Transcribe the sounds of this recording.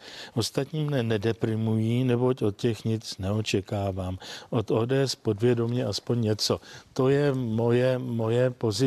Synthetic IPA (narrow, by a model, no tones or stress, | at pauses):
ʔo̞st̪at̪ɲiːmnɛnɛdɛpɾɪmujiːnɛbo̞co̞t̪̚cɛxɲɪt͡snɛo̞t͡ʃɛkaːvaːmʔo̞t̪o̞ːdɛːɛspo̞dvjɛdo̞mɲɛʔaspoɲɲɛt͡so̞t̪o̞jɛmo̞jɛmo̞jɛpo̞zɪ